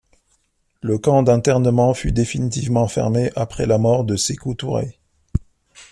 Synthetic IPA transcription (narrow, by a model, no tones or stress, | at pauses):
ləkɑ̃d̪ɛ̃t̪ɛʁnəmɑ̃fyd̪efinit̪ivmɑ̃fɛ̰ʁmeʔapχɛlamɔʁd̪əsekut̪uʁḛ